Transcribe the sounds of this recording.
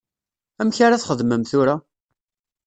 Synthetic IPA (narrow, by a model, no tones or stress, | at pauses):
æmçaɾaθχəðməmθʊɾa